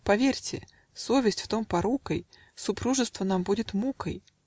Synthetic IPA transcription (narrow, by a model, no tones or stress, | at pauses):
pɐvʲerʲtʲɪ̰ | sovʲɪsʲtʲft̪ompɐɾukəj | sʊpɾuʐɨst̪vənambudʲɪt̪mukəj